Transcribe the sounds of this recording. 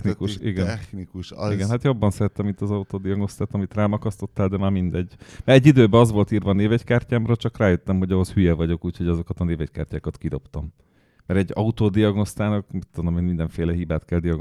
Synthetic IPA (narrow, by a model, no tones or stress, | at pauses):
nikuʃiɡɛnnikuʃiɡɛnhat̪jo̞bːɒnsɛɾɛt̪ːɛmint̪ɒzɒut̪oːd̪iɒɡno̞st̪aːt̪ɒmit̪raːmɒkɒst̪o̞t̪ːaːld̪ɛmaːmind̪ɛɟmɛɛɟːid̪øːbɛɒzʋo̞lt̪iːrvɒːneːvɛckaːrcaːmrɒt͡ʃɒkraːjøt̪ːɛmɦo̞ɟɒɦoshyjɛvɒɟo̞kuːcho̞ɟɒzo̞kɒt̪ɒneːvɛcka̰ːrcaːkɒt̪kid̪o̞pt̪ɒmː | ɛɾɛɟːɒut̪oːd̪iɒɡno̞st̪aːnɒkmit̪ːod̪omeːnmind̪ɛɱfeːlɛɦibaːt̪kɛld̪ijɒɡ